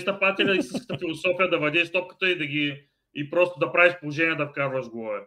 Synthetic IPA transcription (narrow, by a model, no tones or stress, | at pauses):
st̪ɐpat̪ɛlʲɐist̪ĩskə̥t̪əfilˠosɔfijəd̪ɐvɐd̪iist̪ɔp̚kə̥t̪əid̪ɐɡʲi | ipɾɔst̪od̪ɐpɾaviʃpolˠoʒɛniɛd̪ɐfkazvɐʃɡɔvɛ